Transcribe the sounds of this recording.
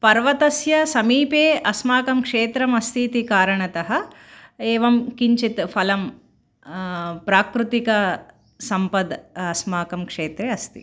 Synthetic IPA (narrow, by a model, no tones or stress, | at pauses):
pɐɾʋɐt̪ɐsjɐsɐmiːpeːʔɐsmaːkɐmkʂeːt̪ɾɐmɐst̪ʰiːt̪ikaːɾɐɳɐt̪ɐɦɐ | eːʋɐmkiɲt͡ʃit̪fʰɐlɐm | pɾaːkɾut̪ikɐ | sɐmpɐd̪ɐsmaːkɐmkʂeːt̪ɾeːɐst̪ḭ